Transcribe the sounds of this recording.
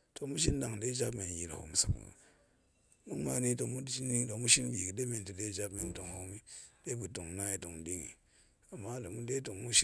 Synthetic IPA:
to˨mu˦ʃi˦n˦da˨ŋ˨de˦d͡ʒa˦bme˨n˨ji˨l̰o̰˨˦m˨sṵ˨k | mu˦ma˦ni˦to˨mu˦ni˦to˨mu˦ʃi˦nbi˨ki˨de˦me˨nti˨de˦˨d͡ʒa˦bme˨n˨to˨ŋho˦mi˦de˦bu˨to˨ŋna˦ji˨to˨ŋ˨di˦ŋḭ˨ | a˨mːa˦la˨mu˦de˦to˨ŋmu˦ʃi˦

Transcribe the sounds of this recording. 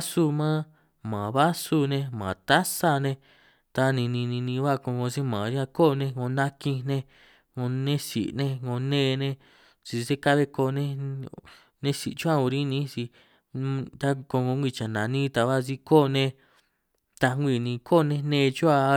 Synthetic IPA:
su˧mãː˦ | mã˨βa˦su˧nẽ˧mã˨t̪a˦sa˧nẽ˧ | t̪a˧nĩ˧nĩ˧nĩ˧nĩ˧βa˦˨ko˧ŋɡõ˧si˦mãː˨ɾã˦˧ko˦˨˧nẽ˧ŋõ˧nã˦kĩ˧nẽ˧ | ŋõ˧nẽ˦sḭ˨ʔnẽ˦ŋõ˧nẽː˦˧nẽ˧ | t͡ʃi˧se˦ka˦βe˧ko˧nẽ˧ | nẽ˦si˨t͡ʃu˦a˦o˧ɾĩ˦nĩ˦si˧ | t̪a˦ko˧ŋõ˧ŋʷ˧i˧t͡ʃa˨nã˨nĩ˦t̪a˧βa˦si˧ko˦˨nẽ˧ | t̪a˧ŋʷi˧˨nĩ˧kʰo˦˨˧nẽ˧nẽ˧t͡ʃu˦a˧

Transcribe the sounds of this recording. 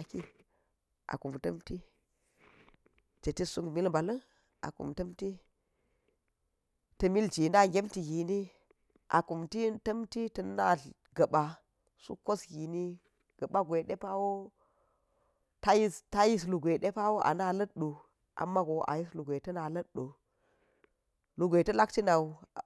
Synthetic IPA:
a˨ki˦ | ʔa̰˨ku˨mtɐ˦mti˦ | t͡ʃe˨ti˦su˦kmi˦lba˨lɐ˦n | a̰˨kṵ˨mtɐ˦mti˦ | tɐ˨mi˦ld͡ʒi˨na˦ɡʲe˦mti˨ɡi˨ni˦ | ʔa̰˨ku˨mti˦tɐ˦mti˦tɐ˨nːa˦ | ɡɐ˨ɓa˨ | sṵ˦ko˦sɡi˨ni˦ | ɡ̥ɐ˨ɓa˦ɡʷe˨ɗe˦pa˦wo˦ | ta˦ji˦sta˦ji˦s̬lu˨ɡʷe˨ɗe˦pa˦wo˦ʔa̰˨na˦lɐ˦t̚ɗo˨ | ʔa̰˨mːa˦ɡo˨ʔa̰˨ji˦slu˨ɡʷe˨tɐ˦na˨lɐ˦d̚ɗo˨ | lu˨ɡʷe˨tɐ˦la˦kti˦na˨u˨

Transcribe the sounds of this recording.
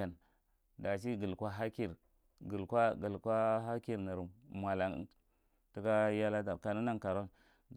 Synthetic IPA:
a˨n | da˨s̬i˦ɡə˨lkʷa˦ɦa˦ki˨ɾ | ɡə˨lkʷa˦ɡə˨lkʷa˦ɦa˦ki˦ɾni˨ɾu˨mmʷ˨a˨la˨n̰˨ | tu˦ka˦ja˦la˦t̬a˨ɾka˨nu˦na˦ŋka˨ɾo˦n

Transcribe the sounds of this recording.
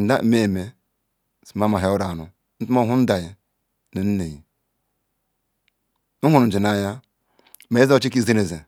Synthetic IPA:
n̩˨da̰˦me˦˨me˨ | si˨ma˦ma˨ɦe˨˦o˦ɾa˨nu˨ | n̩˦tu˦mo˦ɦu˦n̩˦da˨je˨ | no˨n̩˦ne˨ji˨ | nu˦hu˦n̩˨d͡ʒi˨na˨ja˦ | me˨˦zo˦t͡ʃi˦ki˦ze˦ne˨ze˨

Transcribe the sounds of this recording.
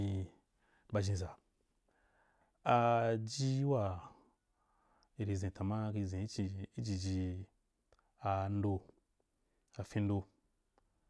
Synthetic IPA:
i˧ | ba˧ʒĩ˧za˨ | a˧d͡ʒi˦wa˦˨ | i˨ɾi˨˧zẽ˨ta˨ma˦ki˧zẽ˨i˦t͡ʃi˧i˦d͡ʒi˧d͡ʒi˧ | a˧n˦do˧ | a˨fĩ˧n˦do˧

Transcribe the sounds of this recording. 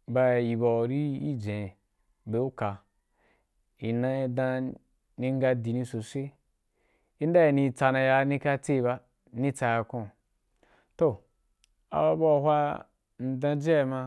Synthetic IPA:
ba˨ji˨ba˨ɾi˦ḭ˦d͡ʒẽ˨ | be˨u˦ka˨ | i˨nã˦i˦dã˦ | nĩ˦ŋ˦ɡa˧di˨nĩ˧so˨sʷe˦ | i˦n˦da˦ji˨ni˧t͡sa˧nã˧ja˧˦nĩ˦ka˦t͡se˦˨ba˧ | nĩ˦t͡sa˧ja˨˧kõ˨ | to˦˨ | a̰˨ba˦ba˦˨hʷa˦ | n̩˨dã˧d͡ʒe˦˨mã˧

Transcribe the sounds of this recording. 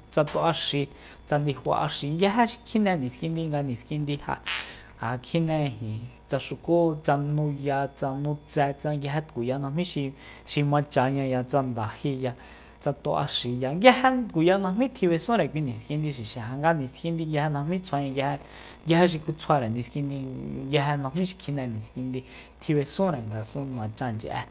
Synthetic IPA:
t͡sa˧t̪o˧ʔa˧ʃi˧ | t͡sa˧nd̪i˧hʷa̰˧ʔa̰˧ʃi˧ŋɡja˦ɦe˦ʃi̥˧kʰi˦nẽ˧nĩ˨skĩ˧nd̪i˦˧ŋɡa˧nĩ˨ski˧nd̪i˧ha̰˧ | a˨kʰi˦nẽ˧hĩ˨ | t͡sa˧ʃu˧ko˦t͡sa˧nũ˧ja˧t͡sa˧nũ˧t͡sɛ˧t͡sa˧ŋɡa˧ɦe˦t̪ku˨ja˧nã˧hmĩ˦ʃi˧ | ʃi˧mã˧t͡ʃa˧ɲã˧ja˧t͡sa˧nd̪a˨hi˧ja˧ | t͡sa˧t̪o˧ʔa̰˧ʃi˨ja˧ŋɡa˦he˧t̪ku˨ja˧nã˧mĩ˦t̪ʰi˧βe˧sũ˦ɾe˨kʷi˧nĩ˨skĩ˧nd̪i˧ʃi˨ʃɛ̃˨ɦa˧ŋɡa˧nĩ˨skĩ˧nd̪i˧ja˧he˧nã˧hmĩ˦t͡sʰa˧ɲã˧jh | ɡa˧he˧ʃ̬i˧ku˧t͡sʰwa˧ɾe˨nĩ˨skĩ˧nd̪i˧ja˧ɦe˧nã˧hmĩ˦ʃi̥˧kʰi˧nɛ̃˧˨nĩ˨skĩ˧nd̪i˧ | t̪ʰi˧βe˧sũ˦ɾe˨ŋɡa˨sũ˧nã˨t͡ʃa˧˨nd͡ʒḭ˨ʔɛ̰˧

